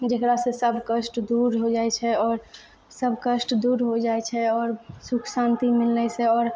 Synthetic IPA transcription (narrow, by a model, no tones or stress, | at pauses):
d͡ʒekɾasẽsəbʱkəsʈd̪uɾɦod͡ʒaɛt͡ʃʰɛɔːɾ | səbʱkəsʈd̪uɾɦod͡ʒajt͡ʃʰɛɔːɾsukʰsant̪imilːɛsɛɔːɾ